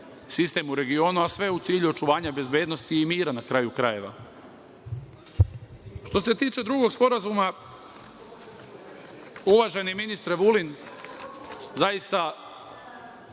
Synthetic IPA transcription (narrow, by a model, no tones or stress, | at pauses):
sist̪e̞muɾe̞ɡio̞ːnuasʋe̞ut̪siːʎuo̞t͡ʃuʋaːɲabe̞zbjeːd̪no̞st̪iːmiːɾanakɾajukɾaje̞ʋa̰ | ʃt̪o̞se̞t̪iːt͡ʃe̞d̪ɾuɡo̞ɡspo̞ɾazuma | uʋaʒe̞niminist̪ɾeʋulin | zajist̪a